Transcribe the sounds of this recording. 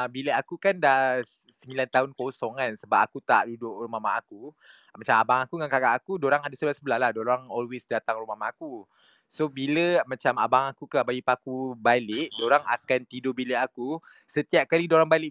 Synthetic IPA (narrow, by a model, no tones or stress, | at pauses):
abiləakukanda | səmbilant̪aunkosɔŋansəbap̚akut̪aʔdudʊʔɾumamaʔaku | mãt͡ʃamabaŋakuŋankaɡaʔakudoɾaŋadasəbəlasəbəlahlahdoɾaŋɔlwesdat̪aŋrumamaʔaku | sobiləmãt͡ʃama̰baŋakukabajipakubalɪʔdoɾaŋa̰kant̪idobiliʔaku | sət̪iap̚kalidoɾaŋbalɪʔ